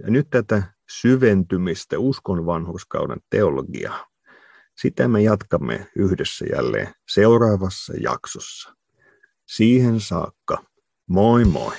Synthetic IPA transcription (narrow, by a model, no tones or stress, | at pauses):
jɑnyt̪t̪æt̪æ | syʋent̪ymist̪æuskonʋɑnhoskɑ̰udɑ̰nt̪eolo̰ɡḭɑː | sit̪æmejɑt̪kɑmːḛyhdesːæjæ̰lːḛːnseurɑːʋɑsːɑ̰jɑ̰ksosːɑ̥ | siːhensɑ̰ːkːɑ | moimo̰i